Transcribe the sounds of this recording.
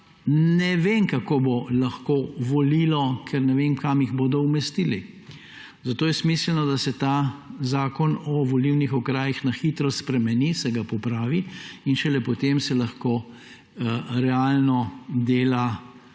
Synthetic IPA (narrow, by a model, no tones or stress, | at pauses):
nɛʋeːmkakoːbolaxkoːʋɔliːlɔkʰɛɾnɛʋemkamiɣboːd̪ɔumɛst̪ili | zat̪oːjɛsmislnɔd̪asɛt̪aːzaːkɔnɔʋɔliwnixɔkɾaːjixnaxit̪ɾɔspɾɛmɛnisɛɡapɔpɾaːʋiinʃɛlɛpɔt̪emsɛlaxkoː | ɾɛalnɔd̪eːla